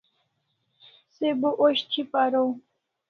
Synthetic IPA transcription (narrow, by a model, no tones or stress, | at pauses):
sebuʔoɕt͡ɕʰipaɾow